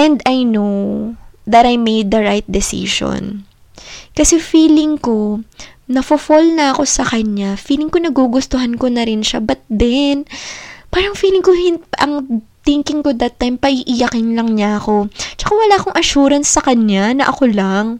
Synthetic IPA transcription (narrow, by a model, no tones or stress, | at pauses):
ʔɛnd̪ɐjnow | ðɐt̪ɐjmejd̪ːɐɹajt̪̚d̪ɛsḭʃo̰n | kɐsɛfiːlɪŋko̞nɐfofolnɐɐko̞sɐkɐɲafiːlɪŋkonɐɡuɡʊst̪oɦanko̞nɐɾɪnʃa̰bɐt̪̚d̪ɛnpaːɾɐŋfiːlɪŋkohɪnʔɐŋt̪ɪŋkɪŋko̞d̪ɐt̪ːajmpɐʔiʔɪjɐkɪnlɐŋɲaʔɐko̞t͡ʃɐ̥kawɐlaːɐko̞ŋʔɐʃuːɾɐnsːɐkɐɲːanɐʔɐko̞laŋ